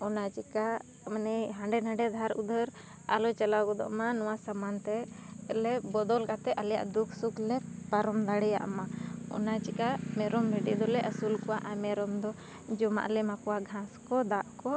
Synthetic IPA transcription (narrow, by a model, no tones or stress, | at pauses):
ɔnat͡ʃika | mənɛɦãɳɖɛnãɖɛd̪ʱaɾud̪əɾ | a̰lɔt͡ʃalawkɔd̪ɔ̰ʔmanɔwasamant̪ɛlɛbɔd̪ɔlkat̪ɛʔəlja̰ʔd̪ukʰsuklɛpaɾɔmd̪aɽɛja̰ʔmaɔ̰nat͡ʃikamɛɾɔmbɛɖḭʔd̪ɔlɛʔəsulkɔwaʔamɛɾɔmd̪ɔ | d͡ʒɔma̰ʔlɛmakɔwaɡʱãskɔd̪aʔkɔ